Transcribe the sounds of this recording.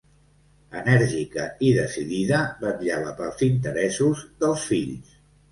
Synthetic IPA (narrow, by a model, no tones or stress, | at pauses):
ənɛɾʒikə̰iðəsiðiðəbət̪ʎaβəpəlˠzint̪əɾɛsuzðəlˠsfiʎs